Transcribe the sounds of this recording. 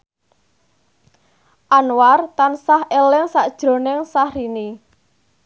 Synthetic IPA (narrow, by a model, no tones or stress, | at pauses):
ʔanwart̪ansahelɪŋsaʔd̥ʒ̥ɾo̤nɪŋsahɾini